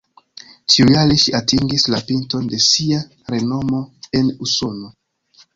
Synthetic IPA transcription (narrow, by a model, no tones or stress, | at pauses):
tiujaleʃiatiŋɡislapinto̞nde̞sia | ɾe̞no̞mo̞e̞nuso̞no̞